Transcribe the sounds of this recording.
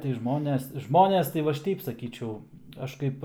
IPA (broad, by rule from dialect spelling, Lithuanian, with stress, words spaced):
tɐɪ ˈʒmoːnʲɛs ˈʒmoːnʲɛs tɐɪ ʋɐ ˈɐʃ ˈtʲɛɪp sɐˈkʲiːt͡ʃʲɛʊ ˈɐʃ kɐɪp